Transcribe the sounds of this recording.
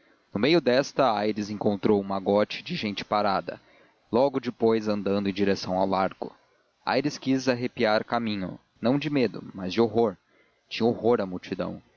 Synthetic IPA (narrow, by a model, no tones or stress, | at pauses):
nʊmejʊd̪ɛst̪ɐajɾɪzẽŋkõnt̪ɾowũmɐɡɔt͡ʃɪ̥d͡ʒɪʒẽñt͡ʃɪ̥paɾad̪ɐ̰ | lɔɡʊd͡ʒɪpojzɐ̃nd̪ɐ̃nd̪ʊẽd͡ʒiɾesɐ̃w̃awlaɾɡʊ̰ | a̰jɾɪskizaɦepiaɾkamĩɲʊ̰ | nɐ̃w̃d͡ʒɪmed̪ʊ̰mɐzd͡ʒɪoɦoɾ | t͡ʃĩɲɐohoɾɐmuwt͡ʃid̪ɐ̰̃w̃